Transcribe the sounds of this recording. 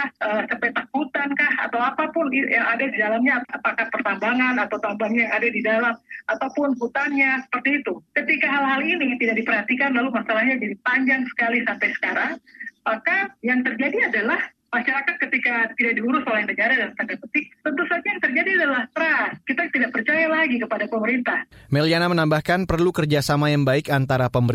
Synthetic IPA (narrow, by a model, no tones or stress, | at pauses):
aʔəsampəjt̪ak̚hut̪ankaha̰t̪awapapʊnadadidalamɲaːpaʔpakapərt̪ambaŋanat̪awt̪ambaŋɲajaŋadadidalamat̪awpʊnɦut̪aŋɲasə̥pərt̪iːt̪ukət̪ikaɦalɦalinit̪idaʔ̚dipərhat̪ikanlalumasalahɲad͡ʒadipaɲd͡ʒaŋsə̥kalisampajsə̥kaɾaŋmakajaŋt̪ərd͡ʒadiadalah | maʃaɾakat̪̚kət̪ikat̪idaʔdiuɾʊsolaŋdəɲd͡ʒaɾadant̪aŋɡabət̪ɪk̚t̪ənt̪usad͡ʒajaŋt̪ərd͡ʒadiadalaht̪ɾaskit̪at̪idaʔ̚pərt͡ʃajalaɡikəpadapəməɾint̪ahmɛlianamənambahkanpərlukərd͡ʒasamajaŋbaɪkant̪aɾapəməɾ